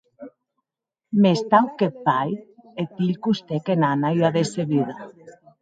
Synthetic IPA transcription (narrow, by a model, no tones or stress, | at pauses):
mest̪awkepajet̪iʎkust̪ekenanaiaðeseβiða